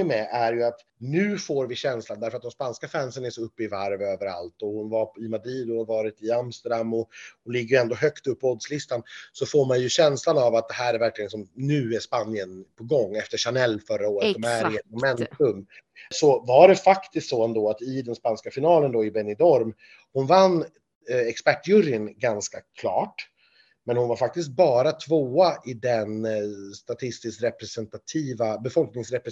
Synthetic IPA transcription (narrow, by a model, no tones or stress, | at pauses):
ɪmɛʔæɾjɵat̪ | nʉ̟ːfoːɾvɪɕɛnsland̪æɾfœɾat̪̚d̪ɛmspanskafænsənɛsɔɵpːəɪvaɾvøːvəɾa̰lt̪ɔhʊnvaɾɪmad̪ɾiːd̪ɔvɑːɾɪt̪ɪamst̪əɖamːɔʊlɪɡːəjɛnd̪oːɦœkt̪ɵpːɔd̪slɪst̪ansɔfoːɾmanjɵɕɛnslanavat̪̚d̪ɛɦæːɾæɾvæɾklɪɡənsɔmnʉ̟ːæʂpanːɪənpʰɔɡɔŋːɛft̪əʂanɛlːfœɾaoːɾətsɔmæɾɛt̪mɔmɛnt̪ɵm | sɔvaɖɛfakt̪ɪst̪sɔɛnd̪oːat̪ɪd̪ɛnspanskafɪnɑːlənd̪ɔɪbɛnɪd̪ɔɾm | hʊnvanː | ɛkspæʈːjɵɾɪnɡanskakʰlɑ̰ːʈ | mɛnhʊnvaɾfak̚t̪ɪs̬t̪̚bɑːɾat̪ʰvoːaʔɪd̪ɛnst̪at̪ʰɪst̪ɪskɾɛpɾɛsɛnt̪at̪ʰiːvabɛfɔlknɪŋsɾɛpɾ